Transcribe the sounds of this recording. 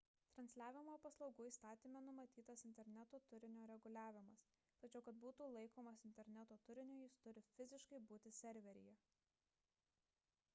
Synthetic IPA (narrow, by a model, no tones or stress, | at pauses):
t̪ɾɐnʲsʲlʲæːʋʲɪmoːpɐslˠɒʊɡuːiːst̪ɑːt̪ʲiːmʲɛnʊmɐt̪ʲiːt̪ɐsɪnʲt̪ʲɛɾʲnʲæt̪oːt̪ʊɾʲɪnʲoːɾʲɛɡʊlʲæːʋʲɪmɐs | t̪ɐt͡ʃʲɛʊkɐt̪̚buːt̪uːlˠɐɪkoːmɐsɪnʲt̪ʲɛɾʲnʲæt̪oːt̪ʊɾʲɪnʲʊːjɪst̪ʊɾʲɪfʲɪzʲɪʃkɐɪbuːt̪ʲɪsʲɛɾʲʋʲɛɾʲɪ̰jɛ